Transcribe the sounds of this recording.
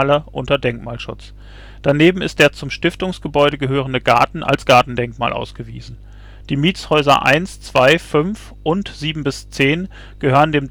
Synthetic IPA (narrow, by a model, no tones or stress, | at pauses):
lɐʔʊntɐdɛŋkmaːlʃʊt͡s | d̥aneːbm̩ɪ̰st̚d̥eːɐt͡sʊmʃtɪftʊŋsɡ̥əbɔʏɾəɡəɦøːʁ̞əndəɡa̰ɐtn̩a̰lsɡ̥aɐtn̩dɛŋkma̰ːlʔa̰ʊsɡ̥əvḭːzn̩ | d̥iːmiːt͡shɔʏzɐ̰ʔa̰ɪnst͡sv̥aɪfʏnf | ʔʊntz̥iːbm̩bɪst͡seːn | ɡ̥əhøːʁəndeːm